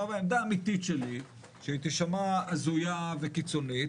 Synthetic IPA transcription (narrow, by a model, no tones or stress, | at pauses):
avaemd̪aːmit̪it̪ʃeli | ʃeait̪iʃamaazujavekit͡sonit